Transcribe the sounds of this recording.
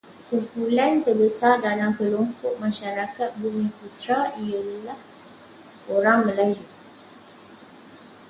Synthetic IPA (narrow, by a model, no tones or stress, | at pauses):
kurpulant̪ərbəsardalaŋkəlompʊʔ̚mãʃaɾakat̪̚bumĩput̪ɾaijəlah | oɾaŋmə̃laju